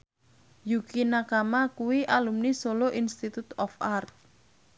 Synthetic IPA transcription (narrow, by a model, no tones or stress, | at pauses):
jukinakamakuwiʔalumnisoloʔinst̪it̪ut̪ɔfart̪̚